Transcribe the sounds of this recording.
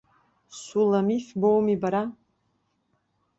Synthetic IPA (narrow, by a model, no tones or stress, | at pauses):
sulamifbowmibaɾa